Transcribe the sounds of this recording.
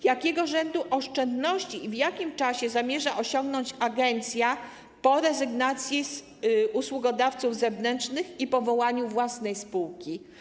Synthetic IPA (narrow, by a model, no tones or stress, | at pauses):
jakʲɛɡɔʐɛnd̪uʔɔʂt͡ʂɛnd̪nɔɕt͡ɕiːvjakʲimt͡ʂaɕɛzamʲjɛʐaʔɔɕɔŋɡnɔɲt͡ɕaɡɛnt̪sʲja | pɔɾɛzɘɡnat̪sʲjiz | uswuɡɔd̪aft̪suvzɛvnɛnt͡ʂnɘxipɔvɔwaɲuvwasnɛjspuwkʲi